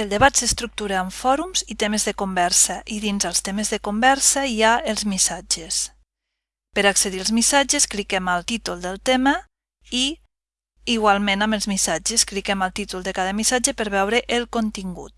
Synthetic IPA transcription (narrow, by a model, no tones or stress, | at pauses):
əlˠd̪eβat̪sest̪ɾuk̚t̪uɾaːɱfɔɾumzit̪emezðəkumbɛɾsəʔiðinzəlˠst̪emezðəkumbɛɾsəiaelˠzmisad͡ʒes | pəɾakseðiəlˠzmisad͡ʒesklikɛmalˠt̪it̪ulˠd̪əlˠt̪emə | i | iɣwalˠmẽnaməlˠzmisad͡ʒesklikɛmalˠt̪it̪ulˠd̪ekaðəmisad͡ʒəpəɾβɛwɾəʔelˠkont̪iŋɡṵt̪̚